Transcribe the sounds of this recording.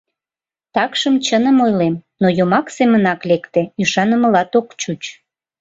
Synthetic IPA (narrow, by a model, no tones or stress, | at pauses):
t̪ɑkʃəmt͡ɕənəmojlemnojomɑksemənɑklekt̪eyʃɑnəməlɑt̪okt͡ɕut͡ɕ